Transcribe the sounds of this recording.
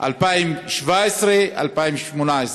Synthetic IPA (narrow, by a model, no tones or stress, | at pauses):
ʔa̰lpajmʃvaesɾea̰lpajmʃmunaes